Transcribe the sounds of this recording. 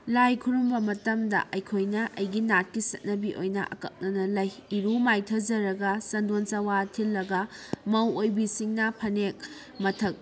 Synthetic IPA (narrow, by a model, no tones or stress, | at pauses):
lajkʰuɾumbɐmɐtɐmdɐ̰ʔɐjkʰojnɐʔɐjɡinat̚kisɐt̚nɐbiʔo̰jnɐ̰ʔɐ̰kɐk̚nɐnɐlɐjiɾumajtʰɐd͡ʒɐɾɐɡɐsɐndonsɐwatʰilːɐɡɐmɐwojbisiŋnɐpʰɐnek̚ | mɐtʰɐk̚